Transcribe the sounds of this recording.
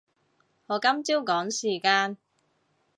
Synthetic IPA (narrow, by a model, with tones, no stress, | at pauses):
hɔː˨˧˥kɐ˥mt͡siː˥wkɔː˨˥ŋsiː˨˩kaː˧n